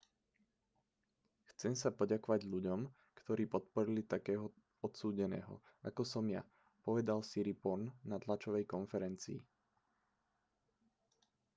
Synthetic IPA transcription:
xt͡sɛmsapɔɟakɔʋaɟʎuɟɔm | kt̪ɔɾiːpɔt̪̚pɔɾilit̪akɛːɦɔ | ɔt̪suːɟɛnɛ̰ːɦɔ̰akɔsɔmja | pɔʋɛd̪alsiɾipɔɾnnat̪lat͡ʃɔʋɛjkɔnfɛɾɛnt͡sḭː

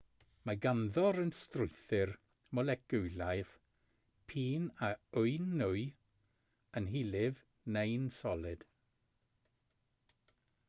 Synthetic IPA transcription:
maɡanðɔɾənstrʊjθɪr | mɔlɛkɡʊjlajð | pʰiːnaʊɨnːʊj | ənɦilɪv | nejnsɔlˠɪd̥

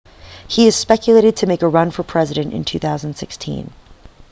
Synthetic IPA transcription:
hiɨz̥spɛkjɨleɪɾɨd̚tʰɨmeɪkəɹʌ̃nfə˞pʰɹ̥ɛzɨɾɨ̃ntɨ̰̃ntʰʉθaʊz̃n̩d̥sɪ̰kstʰḭ̃n

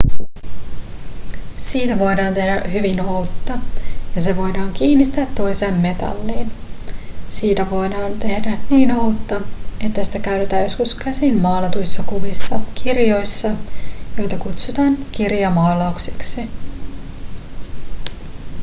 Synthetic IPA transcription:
siːt̪æʋojdɑːnt̪e̞hdæhyʋinowt̪ːɑjɑse̞ʋo̞jdɑːŋkiːnːit̪ːæːt̪ːo̞jse̞ːmːe̞t̪ɑ̰lːiːn | siːt̪æʋoːdɑːnt̪e̞hdæniːnout̪ːɑe̞t̪ːæsi̥t̪ækæyt̪e̞t̪æːjo̞skuskæsinmɑːlet̪ujsːɑkuʋisːɑkirjo̞jsːɑjo̞jt̪ɑkut̪sut̪ɑːnkirjɑmɑːlɑuksi̥ksi

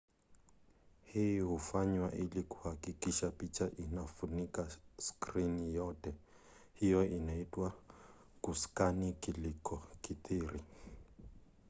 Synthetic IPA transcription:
hijiɦufaɲwaʔilikuhakikiʃapit͡ʃʰaʔinafunikaskrinijɔtʼɛ | hijɔʔinaitʼwa | kuskanikilikʰʼɔkit̪iːɾi

